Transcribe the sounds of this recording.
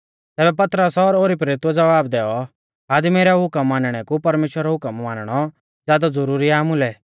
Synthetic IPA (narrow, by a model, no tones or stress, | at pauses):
t̪ɛːbɛpɐt̪ɾəsɔɾoːɾipɾeːɾt̪ɛd͡zɐʋaːbd̪ɛːɔ | aːd̪meɾɛɦʊkəmːãːnɽ̃ɛkupɐɾmeːʃwəɾɔɦʊkəmːãːnəɽ̃ɔ | d͡zjaːd̪ad͡zʊɾuːɾiaːmulɛː